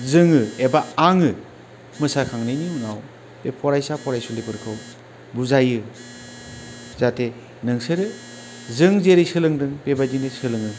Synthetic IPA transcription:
zɯŋɯebaːŋɯ | mɯsakʰaŋnɯjniunaw | b̥epʰɔɾajsapʰɔɾajsulepʰɯɾkʰɯw | buzajɯ | z̥ate | nɯŋsɯɾɯ | zɯŋzeɾɯjsɯlɯŋdɯŋpebadinesɯlɯŋɯ

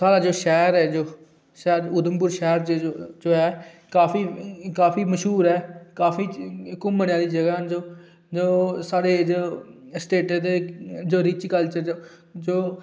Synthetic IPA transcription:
saːɽaːd͡ʒoːʃɛːɾɛːd͡ʒoː | ʃɛːɾʊd̪əmpʊɾʃɛːɾt͡ʃːd͡ʒoːɛː | kaːpʰiːkaːpʰiːməʃɦuːɾɛːkaːfʰiːkʊmːəɽjãːd̪iːd͡ʒəɡaːɦnd͡ʒoː | d͡ʒoːsaːɽeːd͡ʒoːsʈeːʈːd̪eːd͡ʒoːɾɪt͡ʃkəlt͡ʃəo | d͡ʒoː

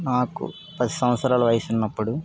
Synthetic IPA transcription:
naːkṵ | pɐd̪isɐ̃wɐt̪sɾaːluʋɐjisinːɐpːuɽu

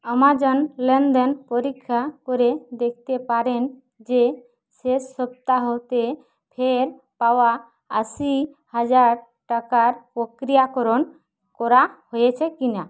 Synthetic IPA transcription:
əmad͡ʒɔnlɛnd̪ɛnpɔɾikʰːapɔɾed̪ɛkʰt̪epaɾɛn | d͡ʒe | sesɔp̚t̪aɦɔt̪e | pʰeɾ | pawa | əsi | had͡ʒaɾ | ʈakaɾpɔkɾijakɔɾɔn | kɔɾahojɛt͡ʃʰɛkina

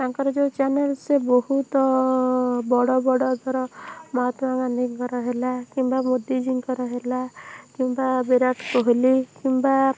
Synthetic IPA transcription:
t̪aŋkɔɾɔd͡ʒewt͡ʃanelsebohut̪ɔ | bɔɽɔbɔɽɔɡ̪ʱɔɾɔmɔɦɔt̪ɔmaŋanikɡɔɾɔɦelakimbamud̪id͡ʒiŋkɔɾɔɦelakimbabeɾaʈkɔɦelikimba

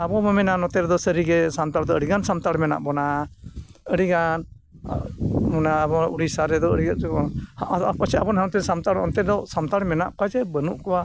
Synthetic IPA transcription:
abɔmɛmɛnanɔt̪ɛɾɛd̪ɔsəɾiɡɛsamt̪aɽd̪ɔəɽiɡansamt̪aɽmɛna̰ʔbɔna | əɽiɡan | mɔnabɔuɽisaɾɛd̪ɔəɽiɡaɛɔapat͡ʃʰɛabɔnɦamt̪ɛsamt̪aɽɔ̰nt̪ɛɾd̪ɔsamt̪aɽmɛna̰ʔpad͡ʒɛbənuʔkɔwa

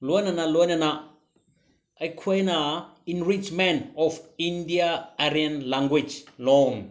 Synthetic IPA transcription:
lonanalonana | ajkʰuejnainɾit͡ʃmɛnɔfindiaaɾianlãŋɡwid͡ʒlɔn

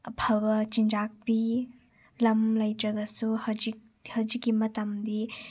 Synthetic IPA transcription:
pʰɐbɐt͡ʃind͡ʒak̚bi | lɐmlɐjtɾɐɡɐsuhɐwd͡ʒik̚ | hɐwd͡ʒikːimɐtɐmdi

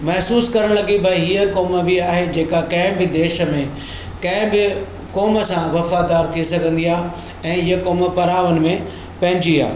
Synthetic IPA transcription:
mɐɦsuːskɐɾəɽ̃lɐɡibʱɐɦiːəkɔːməbiaːɦed͡ʑeːkakɐ̃ɦɪ̃bɪd̪eːʃə̆mẽ | kɐ̃ɪ̃bɪ | kɔːmə̆sãʋɐfaːd̪aːɾt̪ʰiesɐɡʱə̃nd̪iaː | ɛ̃ːɪjəkɔːməpɐɾaːʋənɪ̆mẽ | pɐ̃ɦɪ̃ɲd͡ʑia̰ː

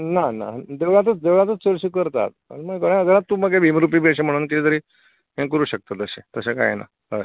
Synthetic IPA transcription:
nana̰d̪eʋɭãt̪̬ət͡sd̪eʋɭãt̪ət͡səɾɕiːkəɾt̪a̰t̪̚a̰niməɡkəɽãəɡəɾat̪ːuməɡeʋimɾupiːbeɕem̤əɽ̃uːnkid͡z̪əɾiː | ɦẽk̬əɾuːɕək̚t̪at̪əɕet̪əseka̰jḛna̰ | ɦə̰j

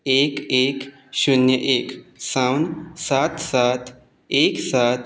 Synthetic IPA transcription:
ekek | ɕunjəʔeksawnsat̪sat̪ | eksat̪

